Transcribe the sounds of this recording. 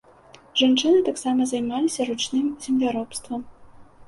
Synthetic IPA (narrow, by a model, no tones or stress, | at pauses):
ʐant͡ʂɨnɨt̪aksamɐzajmalʲisʲɐɾut͡ʂnɨmzʲɪmlʲaɾɔpst̪vɐm